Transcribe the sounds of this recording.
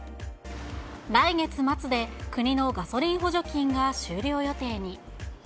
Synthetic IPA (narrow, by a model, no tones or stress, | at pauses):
ɾaiŋe̞t͡sɨmat͡sɨd̪e̞kɯ̟ɲ̟ino̞ɡaso̞ɾʲĩɰ̃ɦo̞ʑo̞kʲĩŋɡaɕɨːɾʲo̞ːjo̞t̪e̞ːɲ̟i